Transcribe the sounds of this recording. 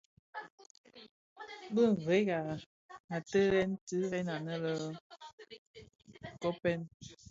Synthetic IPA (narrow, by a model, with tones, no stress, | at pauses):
bə˦˨ŋ̩˨ɣe˨˦ɡa˨ | a˨tə˦lɛ˦n˦tɨ˦ɣɛ˦na˨nə˦lə˦˨ | kɔ˦pɛ˦n